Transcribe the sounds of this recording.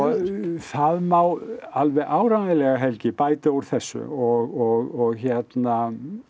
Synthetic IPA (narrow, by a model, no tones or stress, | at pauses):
ɔθaðmaːwalvɛɣʔaːwɾanɪlɛɣaɦɛlcɪpaːjt̪ɪowɾ̥θɛsːʏ̰ɔɣɔɣɔɣçɛt̪na